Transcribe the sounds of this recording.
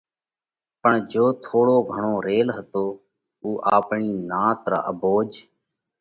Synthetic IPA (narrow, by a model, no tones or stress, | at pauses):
pəɳd͡ʒoːt̪ʰoːɽoːɡʱəɳoːɾeːlɦət̪oː | uːʔaːpɳiːnãːt̪əɾa̰ːʔəboːd͡ʒ